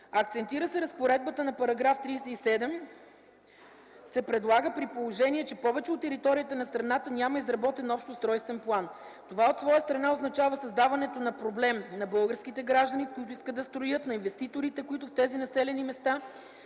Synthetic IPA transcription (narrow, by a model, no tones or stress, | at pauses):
ɐkt̪sɛnt̪iɾəsɛɾɐspoɾɛd̪̚bət̪ənɐpɐɾɐɡɾaft̪ɾijsɛisɛd̪ɛm | sɛpɾɛd̪lˠaɡəpɾipolˠoʒɛniɛt͡ʃɛpɔvɛt͡ʃɛot̪ːɛɾit̪ɔɾiət̪ənɐst̪ɾɐnat̪ənʲaməizɾɐbɔt̪ɛnɔpʃt̪ost̪ɾɔjst̪vɛnplˠan | t̪ovaot̪svɔjəst̪ɾɐnaoznɐt͡ʃavəsɐzd̪avɐnɛt̪onɐpɾoblɛmnɐbɤlˠɡəɾskit̪ɛɡɾaʒd̪ənikʊit̪̬ʊiskəd̪ɐst̪ɾojɤt̪nɐinvɛst̪it̪oɾit̪ɛkoit̪ʊft̪ɛzinɐsɛlɛnimɛst̪a